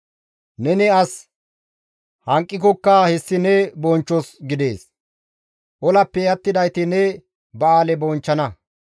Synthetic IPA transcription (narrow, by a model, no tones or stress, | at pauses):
nɛnɪɐs | hɐŋkʼːɪkɔkːahɛsːɪnɛbɔnt͡ʃːɔsɡɪd̪e̞̰ːs | ʔɔlɐpːɛjɐt̪ːɪd̪ɐjt̪ɪnɛ | bɐaːlɛbɔnt͡ʃːɐnɐ